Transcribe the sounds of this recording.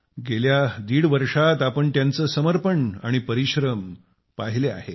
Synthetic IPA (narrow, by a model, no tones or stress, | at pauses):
ɡeljad̪iːɽʋəɾʂat̪apəɳt̪jant͡səːsəməɾpəɳa̰ɽ̃ipəɾiɕɾəm | paɦilea̰ɦe